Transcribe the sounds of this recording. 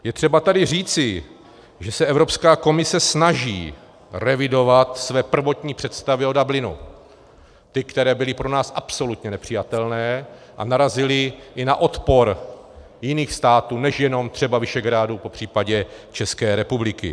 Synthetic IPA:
jɛt̪r̥ɛbat̪adɪr̝iːt͡sɪ | ʒɛsɛɛvɾo̞pskaːko̞mɪsɛsnaʒiː | rɛvɪdo̞vat̪svɛːpr̩vo̞t̪ɲiːpr̝̥ɛt̪st̪avɪo̞dablɪnṵ | t̪ɪkt̪ɛɾɛːbɪlɪpɾo̞naːsʔapso̞lut̪ɲɛnɛpr̝̥ɪjat̪ɛlnɛː | ʔa̰naɾazɪlɪʔɪnaʔo̞t̪po̞ɾ | jɪniːxst̪aːt̪uːnɛʃjɛno̞mt̪r̝̥ɛbavɪʃɛɡɾaːdupo̞pr̝̥iːpaɟɛt͡ʃɛskɛːɾɛpublɪkɪ̰

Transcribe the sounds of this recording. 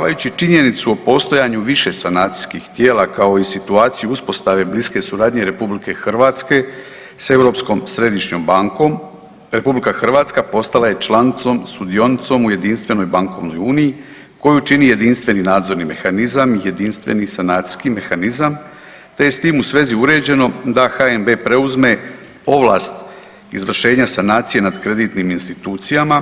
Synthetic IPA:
aʋajut͡ɕit͡ʃiɲe̞nit̪suo̞po̞st̪o̞jaɲuʋiʃe̞sanaːt̪i̥skixt̪jeːlakao̞isit̪uaːt̪sijuuspo̞st̪aʋe̞bliske̞suɾaːd̪ɲe̞ɾe̞publike̞xr̩ʋaːt̪ske̞ | se̞ʋɾo̞ːpsko̞msɾe̞d̪iʃɲo̞mbaŋko̞m | ɾe̞publikaxr̩ʋaːt̪skapo̞st̪alaje̞t͡ʃlant̪so̞mst̪ud̪io̞nit̪so̞muje̞d̪inst̪ʋe̞no̞jbaŋko̞ʋno̞juːniji | ko̞jut͡ʃinije̞d̪inst̪ʋe̞ninaːd̪zo̞ɾnime̞̰xanizamije̞d̪inst̪ʋe̞̰nisanaːt̪si̥skime̞xanizam | t̪e̞je̞st̪iːmusʋe̞ːziuɾe̞ːd͡ʑe̞no̞d̪axaembe̞ːpɾe̞uzme̞ | o̞ʋlˠa̰ːst̪ | izʋr̩ʃe̞ːɲasanaːt̪sije̞nad̪kɾe̞d̪it̪niminst̪it̪uːt̪sijama

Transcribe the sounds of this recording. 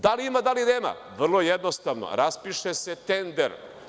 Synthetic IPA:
d̪aliimad̪alineːma̰ | ʋr̩lˠo̞jed̪no̞st̪aʋno̰ɾaspiʃeset̪end̪ḛɾ

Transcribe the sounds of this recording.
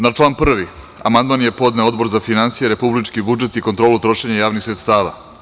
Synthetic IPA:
nat͡ʃlˠaːnpr̩ʋi | a̰mand̪maːnje̞po̞d̪neo̞d̪bo̞ɾzafinansijeɾe̞publit͡ʃkibud͡ʒet̪ikont̪ɾo̞ːlˠut̪ɾo̞ʃeɲajaːʋnixsɾet̪st̪aːʋa̰

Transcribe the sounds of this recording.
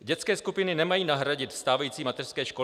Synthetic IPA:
ɟɛt͡skɛːskupɪnɪnɛmajiːnaɦɾaɟɪt̪st̪aːvajiːt͡siːmat̪ɛr̥skɛːʃko

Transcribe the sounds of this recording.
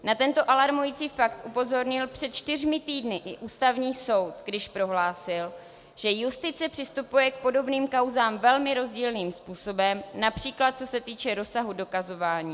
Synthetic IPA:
nat̪ɛnt̪o̞ʔalaɾmujit͡siːfakt̪ʔupo̞zo̞ɾɲɪlpr̥ɛt̪̚t͡ʃt̪ɪr̝mɪt̪iːdnɪʔɪʔuːst̪avɲiːso̞wt̪ɡdɪʃpɾo̞ɦlaːsɪl | ʒ̥ɛjust̪ɪt͡sɛpr̥ɪst̪upujɛk̚po̞do̞bniːmkawzaːmvɛlmɪɾo̞zɟiːlniːmspuːso̞bɛmnapr̝̥iːklat̪̚t͡sosɛt̪iːt͡ʃɛɾo̞saɦudo̞kazo̞vaːɲiː

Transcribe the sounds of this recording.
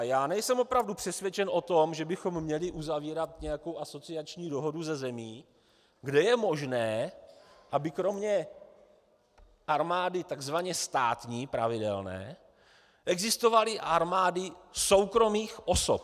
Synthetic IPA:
jaːnɛjsɛmo̞pɾavdupr̥ɛsvjɛt͡ʃɛnʔo̞t̪o̞mʒɛbɪxo̞mːɲɛlɪʔuzaviːɾat̪ɲɛjako̞wʔaso̞t͡sɪat͡ʃɲiːdo̞ɦo̞duzɛzɛmiː | ɡdɛjɛmo̞ʒnɛː | ʔabɪkɾo̞mɲɛ | ʔaɾmaːdɪt̪aɡzvaɲɛst̪aːt̪ɲiːpɾa̰vɪdɛ̰lnɛ̰ː | ʔɛɡzɪst̪o̞valɪʔaɾmaːdɪso̞wkɾo̞miːxʔo̞so̰p̚

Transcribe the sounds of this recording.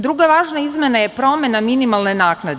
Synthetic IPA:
d̪ɾuɡaʋaːʒnaizmʲje̞najepɾo̞mʲe̞naminimalˠne̞naːknad̪

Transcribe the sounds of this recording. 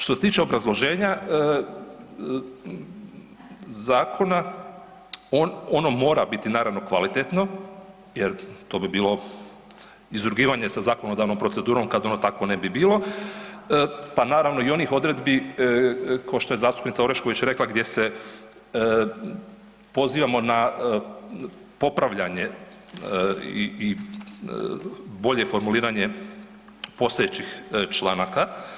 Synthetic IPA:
ʃt̪ose̞t̪iːt͡ʃe̞o̞bɾazlˠo̞ʒe̞ːɲa | zaːkʰo̞na | ono̞no̞mo̞ːɾabit̪inaːɾaʋno̞kʋa̰lit̪et̪no̞ | jeɾt̪o̞ːbibiːlo̞ | izɾuɡiːʋaɲe̞sazaːko̞nod̪aʋno̞mpɾose̞d̪uːɾo̞mkad̪o̞not̪ako̞nebibiːlo̞ | panaːɾaʋno̞io̞nixo̞d̪ɾe̞d̪bi | kaoʃt̪ojezaːst̪u̥pnit̪aoɾeʃko̞ʋit͡ɕɾe̞klˠaɡd̪je̞se | po̞ziːʋamo̞na | po̞pɾaʋʎaɲe̞ | ii | bo̞ʎe̞fo̞ɾmuliːɾaɲe̞ | po̞st̪oet͡ɕixt͡ʃlˠaːnaka

